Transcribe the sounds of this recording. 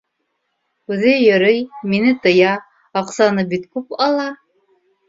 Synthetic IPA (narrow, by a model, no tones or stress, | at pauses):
ʉðɘjɤ̆ɾɤjminɘt̪ɤ̆jɑ | ɑqsɑnɤbit̪kʉpɑlˠɑ